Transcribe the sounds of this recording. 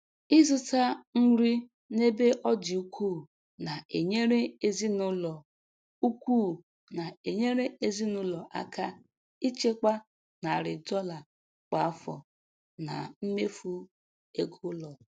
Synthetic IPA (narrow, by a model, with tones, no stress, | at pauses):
ɪ˦zʊ˦ta˦ŋ̩˦ɾi˦ | ne˦be˦ʔɔ˦dɪ˨u˦kʰʷu˦˨ | na˨e˨ɲe˦ɾe˦e˦zi˦nʊ˦lɔ˨ | u˦kʷuː˦˨ | na˨e˨ɲe˦ɾe˦e˦zi˦nʊ˦lɔ˨ʔa̰˦ka˦ | i˦t͡ʃe˦k͡pa˦ | na˨ɾɪ˨dɔ˦la˨ | k͡pa˨˦fɔ̰˨ | na̰˨m̩˦me˦fu˦ | e˦ɡʊ˦lɔ˨